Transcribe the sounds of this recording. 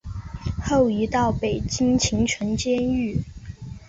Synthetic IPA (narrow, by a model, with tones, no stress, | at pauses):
xo˥˩ʊi˧˥t̪ɑ˥˩ʊpe˨˩ɪt͡ɕi˥ŋt͡ɕʰi˧˥ŋʈ͡ʂʰə˧˥nt͡ɕjɛ˥ny˥˩